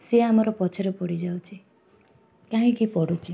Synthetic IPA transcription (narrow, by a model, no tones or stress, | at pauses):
seamɔɾɔpɔt͡ʃʰɔɾepɔɽid͡ʒawt͡ʃʰi | kãɦĩkipɔɽut͡ʃʰi